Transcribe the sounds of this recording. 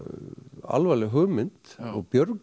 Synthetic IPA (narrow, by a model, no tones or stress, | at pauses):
a̰lvajlɪɦœːmɪnt̪ɔɣpjœɾk